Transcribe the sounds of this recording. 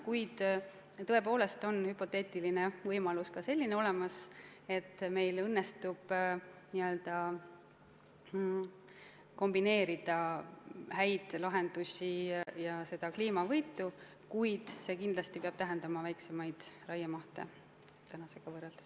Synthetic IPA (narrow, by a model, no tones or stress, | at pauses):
kujd̪̥ | t̪ːɤ̞e̞po̞ːle̞st̪o̞nhypo̞t̪ːe̞ːt̪ˑilinevɤjmɑluskɑse̞lʲːineo̞le̞mɑs | e̞t̪ːme̞jlɤnːest̪ub̥niø̞ld̪̥ɑ | ko̞mbine̞ːɾid̪̥ɑ | hæjd̪̥lɑɦe̞nd̪usʲijɑse̞d̪̥ɑkliːmɑvɤjt̪ːˑu | kujd̪̥se̞kind̪lɑst̪ipeɑb̥t̪æɦe̞nd̪ɑmɑvæjkse̞mɑjd̪̥rɑjɑmɑht̪e̞̰ | t̪ænɑse̞ɡ̥ɑvɤreld̪̥e̥s